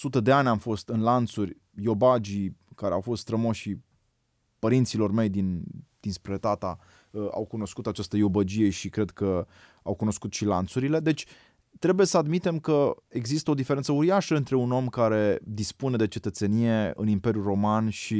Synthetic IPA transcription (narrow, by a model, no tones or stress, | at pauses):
sut̪əd̪e̞anʲamfo̞st̪ɨnlant̪surʲ | jo̞bad͡ʒikaɾeawfo̞st̪st̪ɾəmoʃi | pəɾint̪silo̞rme̞jd̪ind̪̥inspɾet̪at̪a | a̰wkuno̞skut̪at͡ʃast̪əjo̞bəd͡ʒije̞ʃikɾe̞d̪kə | awkuno̞skut̪ʃila̰nt̪suɾile̞d̪e̞t͡ʃʲ | t̪ɾe̞buje̞səad̪mit̪e̞mkəe̞ɡzist̪əo̞d̪ife̞ɾent̪səuɾiaʃəɨnt̪ɾe̞uno̞mkaɾe̞d̪ispune̞d̪e̞t͡ʃe̞t̪ət̪se̞nije̞ɨ̰nimpe̞ɾʲjuro̞manʃi